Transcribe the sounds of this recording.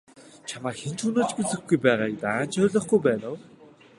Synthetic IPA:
t͡ɕʰamaːxent͡ɕunoːt͡ɕɡet͡sɘ̆xɡujpæːʁaːk̚t̪aːn̥t͡ɕʰœːɮɞ̆χɡujpæːnəw

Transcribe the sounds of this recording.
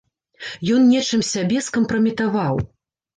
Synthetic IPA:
jɔnnʲɛt͡ʂɨmsʲabʲɛskɐmpɾɐmʲit̪avaw

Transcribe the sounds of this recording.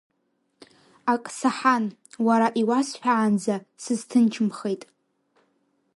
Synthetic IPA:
akʼsaħanwaɾaʔiwasħᶣaʕːnd͡zasɨztʰɨnt͡ʃʰɨmχejtʼ

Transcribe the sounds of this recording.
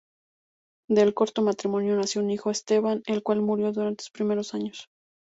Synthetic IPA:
d̪e̞lko̞ɾt̪o̞mat̪ɾimõ̞njo̞nasjounixo̞est̪e̞βane̞lkwalmuɾjo̞ðuɾant̪eso̥spɾime̞ɾo̞saɲos

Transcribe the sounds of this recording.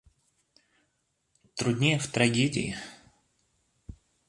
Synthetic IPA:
t̪ɾʊd̪ʲnʲejəft̪ɾɐɡʲedʲɪ̰ɪ̰

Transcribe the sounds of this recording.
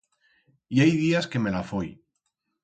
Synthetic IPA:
iajðiaskeme̞lafoj

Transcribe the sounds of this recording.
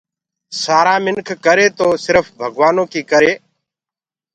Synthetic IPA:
saːɾãːmɪnkʰkəɾeːt̪oːsɪɾəfbʱəɡʋaːnoːkiːkəɾeː

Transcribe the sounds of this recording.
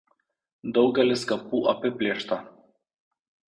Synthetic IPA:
d̪ɒʊɡʲɛlʲɪskɐpuːʔɐpʲɪpʲlʲɪːʃt̪ɐ

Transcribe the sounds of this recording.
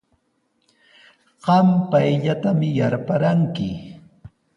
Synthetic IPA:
ɢɑmpajʎat̪amɪjaɾpaɾaŋkɪ

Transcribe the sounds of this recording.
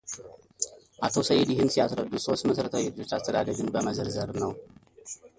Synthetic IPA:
ʔat̪ʰosəjɛd̪jɪhɨnsijasɾəd̪ːuso̞st̪məsəɾət̪ʰawɪd͡ʒo̞t͡ʃːast̪ʰəd̪a̰d̪əɡɨnbəməzəɾzəɾnəw

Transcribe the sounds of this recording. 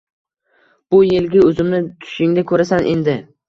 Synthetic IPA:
b̥ʊjelɡʲɪɵzɪmnɪt̪ʰʊ̥ʃɪŋd̪akʰɵɾasanʔe̞nd̪ɪ

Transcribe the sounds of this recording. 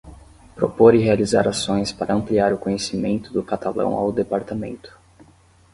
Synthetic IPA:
pɾo̰poɾɪɦealiza̰ɾasõj̃spaɾʔɐɐ̃mpliaɾʊkõɲesimẽnt̪ʊd̪ʊkat̪alɐ̰̃w̃a̰wd̪epaɾt̪amẽnt̪ʊ̥

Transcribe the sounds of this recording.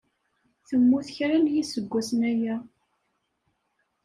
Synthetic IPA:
θəmːuθçɾænjisəɡʷːæsənæjæ

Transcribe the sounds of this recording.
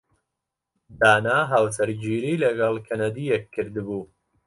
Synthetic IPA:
d̪aːnaːɦaːwsɐɾd͡ʒiːɾiːlɐɡɐlˠkʰɐnɐd̪ijɛkʰːɨɾd̪buː

